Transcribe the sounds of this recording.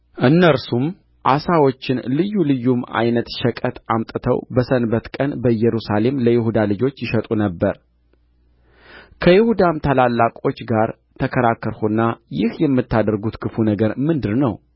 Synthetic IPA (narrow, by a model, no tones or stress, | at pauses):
ʔɨnːəɾsum | ʔasawot͡ʃːɪnlɨjːulɨjːuma̰jnət̪ʃəkʼət̪amt̪ʼɨt̪ʰəwbəsənbət̪kʼənbəjɛɾusale̞mləjɪhud̪alɨd͡ʒo̞t͡ʃːjɪʃət̪ʼunəbːəɾ | kʰəjɪhud̪amt̪ʰalalːakʼo̞t͡ʃːɡaɾ | t̪ʰəkʰəɾakːəɾhunːajɪhjɛmːɨt̪ːad̪əɾɡut̪kʰɨfunəɡəɾmɨnd̪ɨɾnəw